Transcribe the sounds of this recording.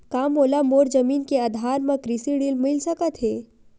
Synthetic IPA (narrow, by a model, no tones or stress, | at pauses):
kaːmoːlamoːɾzəmiːnkead̪ʱaːɾmẽkɾisiɽiːlmɪlsɐkət̪ɦeː